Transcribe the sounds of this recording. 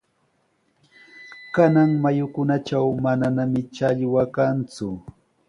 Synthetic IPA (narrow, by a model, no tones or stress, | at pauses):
kanaŋmajʊkʊnat͡ʃawmananamɪt͡ʃaʎwakant͡sʊ